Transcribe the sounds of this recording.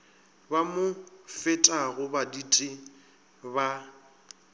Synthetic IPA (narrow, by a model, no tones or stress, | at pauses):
bamʊfɪtʼaɣʊbaditʼɪ | ba